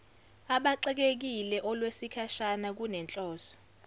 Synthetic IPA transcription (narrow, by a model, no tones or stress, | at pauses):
aɓaǀɛk̬ek̬ilɛʔɔlwesikʰaʃanak̬unɛnt͡ɬʼɔːsɔ̥